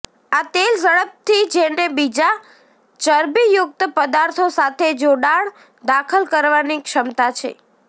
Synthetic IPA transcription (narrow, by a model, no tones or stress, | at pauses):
at̪elsəɭəp̚t̪ʰid͡ʒenebid͡ʒa | t͡ʃəɾbijʊk̚t̪əpəd̪aɾt̪ʰosat̪ʰed͡ʒoɽaɭ | d̪akʰəlkəɾʋanikʃəmt̪at͡ʃʰḛ